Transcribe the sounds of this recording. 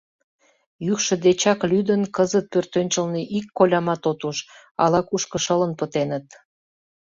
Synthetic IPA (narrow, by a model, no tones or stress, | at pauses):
jykʃə̆d̪et͡ɕɑklyd̪ənkəzət̪̚pørt̪ønʲt͡ɕəlniʔikːolʲɑmɑt̪ot̪uʃ | ɑ̰lɑkuʃkəʃələnpət̪enət̪̚